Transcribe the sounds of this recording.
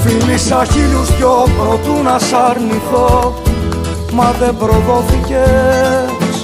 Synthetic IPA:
filisɐçiluscopɾot̪unɐsɐɾniθo | mɐðe̞bɾoðo̞θice

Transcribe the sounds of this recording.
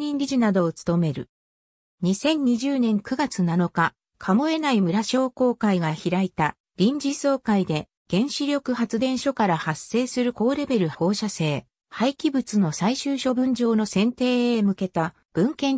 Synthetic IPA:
ɲĩnɾʲiʑinad̪o̞ːt͡sɨ̥t̪o̞me̞ɾɯ̟ | ɲ̟isẽ̞ɲ̟ɲːiʑɨːnẽ̞ŋkɯ̟ɡat͡sɨnano̞ka | kʰamo̞e̞naimɯ̟ɾaɕo̞ːko̞ːkaiɡaçiɾait̪a | ɾʲĩɲ̟d͡ʑiso̞ːkaid̪e̞ | ɡ̥ẽ̞ɰ̃ɕiɾʲo̞kɯ̟ɦat͡sɨd̪ẽ̞ɰ̃ɕo̞kaɾahasːe̞ːsɨɾɯ̟ko̞ːɾe̞be̞ɾɯ̟ho̞ːɕase̞ː | haikʲibɯ̟t͡sɨno̞saiɕɨːɕo̞bɯ̟̃ɲ̟d͡ʑo̞ːno̞sẽ̞nt̪e̞ːemɯ̟ke̞t̪a | b̥ɯ̟̃ŋkẽ̞ŋ

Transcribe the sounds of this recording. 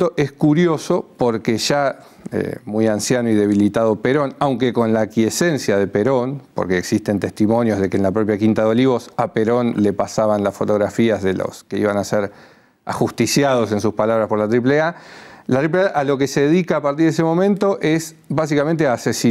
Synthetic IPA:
t̪oʔeskuɾjo̞sopo̞ɾkeʒa | ḛmujansjanoið̞e̞β̞ilit̪aðo̞peɾo̞nawŋkeko̞nlakjesensjaðepeɾo̞npo̞̰ɾkeːksist̪e̞nt̪e̞st̪imo̞njozð̞e̞keːnlapɾop̬jakint̪aðoliβo̞sapeɾo̞nle̞pasaβanlasfo̞t̪o̞ɣɾafiazðelo̰skeiβanaseɾ | axust̪isjaðo̞se̞ns̬uspalaβɾaspo̞ɾlat̪ɾip̬lealat̪ɾip̬leaʔalo̞kese̞ðeðikaːpaɾt̪iɾðes̬emo̞mẽnt̪oʔes | bas̬ikamẽnt̪̬eaːsesi

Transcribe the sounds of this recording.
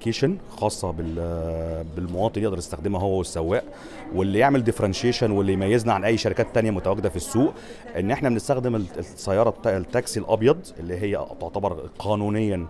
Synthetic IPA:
keːʃænxɑːsˤːɑbe | belmowɑːt̪ˤnleʔd̪ɑɾjest̪æxd̪emæɦowːæwesːæwːæːʔ | welːijeʕmeld̪efɾˤɑnʃeːʃænwelːijmæjːeznæʕanʔæjːʃæɾikæːt̪ːænjæmʊt̪æwæɡːed̪æfisːuːʔ | ʔenːʔeħnæbenest̪æxd̪emsːæjːɑːɾˤɑlt̪ːæksilʔɑbjɑd̪ˤʔelːiɦejːæ̰t̪oʕt̪æbɑɾˤqʰɑːnuːnejːæ

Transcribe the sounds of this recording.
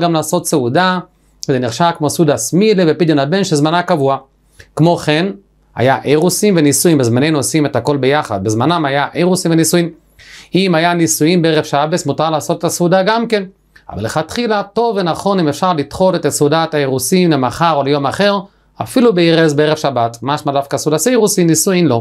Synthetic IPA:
ɡamlaːso̞t̪seuda | ezeniʁʃakmosud̪asmilevepid̪jonhabenʃezmanakavua | kmo̞χen | ha̰jaʔeʁusimvenisujimbezmanejnuosimethako̞lbejaχa̰d̚bezmanamajaʔeʁusimvenisujim | imajanisuimbeeʁevʃabesmutaʁlaːso̞t̪etasudaɡamke̞n | a̰va̰leχat̪χilato̞vːenaχo̞nimefʃaʁlit̪χo̞let̪asudataeʁusimlemaχaʁolejo̞maχeʁ | a̰filubeiʁezbeeʁevʃabatmaʃmadafkasudasejʁusimnisuimlo̞

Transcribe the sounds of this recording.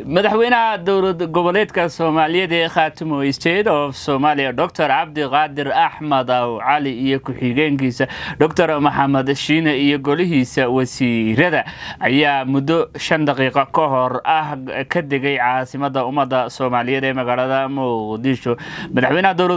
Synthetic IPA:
mɐðɑħwɛjnɐhɐd̪ɔwlɐɡɔβɔlɛːd̪kʰɐsɔːmaːlɪjɛd̪ɛːχɑːt̪ʰɪmɔɪst̪ʰɛd̪ɔfsɔːmaːlɪjɐɖɔk̚t̪ʰɔrʕɑb̚d̪ɪqɑːd̪ɪrɐħmɐd̪ɐwʕɑlɪijɔkʰʊħɪɣɛːŋkʰiːsɐɖɔkt̪ʰɔrmɐħɑmɐd̪ʃiːnɐijɔɡɔlɪɦiːsɐwɐsiːɾɐðɐʔɐjaːmʊd̪ɔʃɐnd̪ɑqiːqɑkʰɔɦɔrɐhkʰɐd̪ɛɣɛjʕɑːsɪmɐd̪ːɐʊmɐd̪ːɐsɔːmaːlɪjɛd̪ɛːmɐɣaːlɐðɐmʊqd̪ɪʃɔmɐðɑħwɛːnɐhɐd̪ɔwlɐ

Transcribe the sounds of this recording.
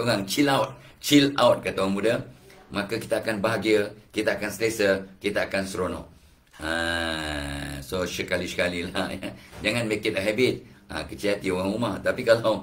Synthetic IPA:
t̪oɣaŋt͡ʃilawt̪̚t͡ʃilawt̪̚kət̪oɣaŋmudəmakakit̪aakanbaɦaɡiəkit̪aakanslesəkit̪aakansɾonɔ̰ʔ | a | sosəkalisə̥kalila̰jad͡ʒaŋãnmekit̪̚əɦɛbit̪̚a̰kət͡ʃiat̪ioɣaŋumaht̪apikalaw

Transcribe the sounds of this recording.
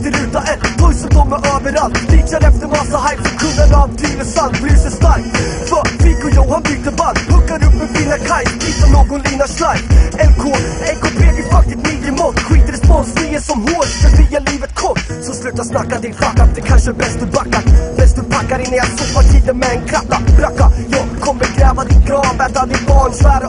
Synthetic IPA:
t̪əɾʉ̟ːt̪aʔɛt̪t̪ʰɔjsɔt̪ɔːɾmɛʔøːvəɾalt̪fiːt͡ʃaɾɛft̪əɾmɑsaɦajfɔkʰɵnd̪ənavt̪ʰyːɾəsanblʉːsɛst̪aɾkfœfɪkɔjɔhanbyːt̪əbahɵkːaɾɵpːɛnfɪnakʰajviːsanoːɡɔnliːnaʂlajfɛnkʰoːɛnkʰɔpʰeːɡɪfak̚t̪ɪst̪miːd̪ɾɪmɔːt̪kʰwiːt̪əɾɛspɔnsnɪjəsɔmhoːɾfɾat̪̚bijaliːvət̪kʰɔtː | sɔslʉ̟ːt̪asnakːad̪ɪnklakːafd̪ɛkʰanʂəbɛst̪ɵpʰakːat̪bɛst̪ɵpʰakːaɾɪnːɛjafɔpːaʈ̪ʰiːd̪ənmɛɛnkʰɾat̪ːaɾakːajɑːɡkʰɔmːəɾɡɾɛːvad̪ɪt̪ɡɾɑːvɛt̪ald̪ɪt̪̚bɑːɳsɔæːɾ

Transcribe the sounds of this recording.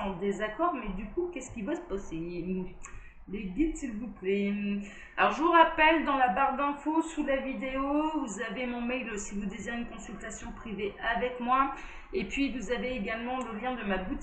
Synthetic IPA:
ɑ̃d̪ezakɔʁmɛd̪ykukʲɛskʲivasə̥pase | leɡit̪silvuplɛ | alɔʁʒəvuʁapɛld̪ɑ̃labaʁd̪ɛ̃fosulavid̪eovuzavemɔ̃mɛjlsivud̪eziʁeynkɔ̃sylt̪asjɔ̃pχiveavɛkmwa | epɥivuzaveːɡalmɑ̃ləljɛ̃d̪əmabut̪

